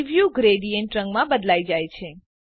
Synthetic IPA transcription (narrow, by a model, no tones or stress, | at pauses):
ʋjuɡɾeɖijəɳʈɾə̃ŋɡmãbəd̪laid͡ʒajt͡ʃʰe